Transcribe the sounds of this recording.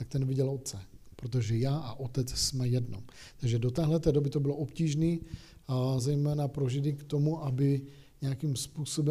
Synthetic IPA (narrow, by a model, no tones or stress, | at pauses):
t̪akt̪ɛnvɪɟɛlot̪̚t͡sɛpɾot̪̬oʒɛjaːʔaʔot̪ɛt͡ssmɛjɛdnomt̪aɡʒɛdo̞t̪ɛːɦlɛt̪ɛːdo̞bɪt̪obɪloʔopciːʒniː | zɛjmɛːnapɾo̞ʒɪdɪkt̪o̞muʔabɪ | ɲɛakimspuːso̞bɛ